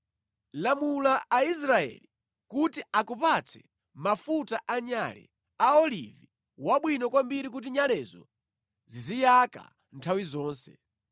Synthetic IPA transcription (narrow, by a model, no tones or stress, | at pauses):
lamulaːis̬ɾaɛ̰li | kutiakupat͡sʰɛ̰ | mafutaʔaɲalɛ̰ | aɔlḭvi | waɓwinɔkwambiɾik̬ut̬iɲalɛzɔ̰ | zizijaka̰ | ntʰawizɔːnsɛ̰